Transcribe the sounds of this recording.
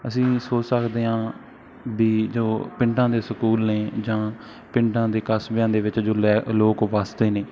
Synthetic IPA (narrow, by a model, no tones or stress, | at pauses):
əsĩːsoːt͡ʃsəkd̪eːɦãː | biːd͡ʒoːpɪ̃ɳɖãːd̪eːsəkuːlneːd͡ʒãː | pɪ̃ɳɖãːd̪eːkəsbjãːd̪eːʋɪt͡ʃd͡ʒoːlɛːloːkʋaːst̪eːneː